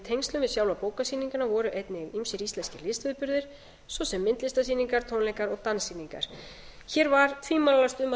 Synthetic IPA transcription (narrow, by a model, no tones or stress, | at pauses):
t̪ʰejŋst̪lʏmvɪðsjawlvapoːwkasiːniŋkanavɔɾʏʔejt̪nɪɣimsɪɾist̪lɛnscɪɾlɪst̪vɪðpʏɾðɪɾ̥ | sɔsɛmːɪnt̪lɪst̪asiːniŋkaɾ̥t̪ʰownlɛŋkaɾɔɣt̪ansiːniŋka̰ɾ̥ | çɛːɾvaɾt̪ʰviːmallast̪ʏma